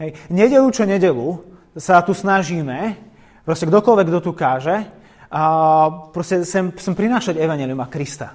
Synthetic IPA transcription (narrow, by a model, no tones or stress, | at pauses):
ɦɛjɲɛɟɛlut͡ʃɔɲɛɟɛlu | sat̪usnaʒiːmɛ | pɾɔscɛɡd̪ɔkɔlʋɛɡd̪ɔt̪ukaːʒɛ | pɾɔscɛt͡sɛmt͡sɛmpɾinaːʃaɟɛʋaɲɪɛːliumakɾist̪a̰